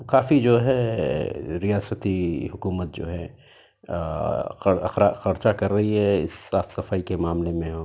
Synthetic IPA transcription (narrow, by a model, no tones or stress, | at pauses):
kaːfid͡ʒoːɦɛ | ɾijaːsət̪iɦʊkuːmət̪̚d͡ʒo̰ːɦɛ | xɐɾxɾaxɐɾt͡ʃakɐɾːɐɦiɦɛɪ̰sːaːfsɐfaːikemaːmlemẽɦõː